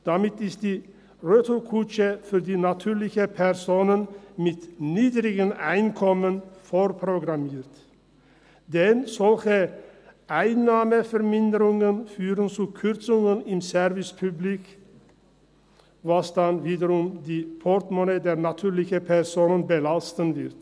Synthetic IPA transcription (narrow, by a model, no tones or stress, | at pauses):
d̪̥ɑmɪt̪ɪst̪̚d̪iː | ɾøːt̪ʰəlkʰuːt͡ʃəfʏɾd̪iːnɑt̪ʰʉːɾlɪçəpʰæɾsoːnənmɪt̪niːd̪ɾɪɡənæɪnkʰɔmənfɔɾpʰɾʊɡɾɑmeːɾt̪ | d̪ɛnsɔlçəʔæɪnːɑːməfœɾmɪnd̪əɾʊŋənfyːɾənt͡sukʰʉɾt̪sʊŋənɪmsæɾʋɪspʰʉblɪk | ʋɑsd̪ɑnʋiːd̪əɾʊmd̪iːpʰɔɾt̪mɔneːd̪eːɾnɑt̪ʰʉːɾlɪçəpʰæɾsoːnənbəlɑst̪ənʋɪɾt̪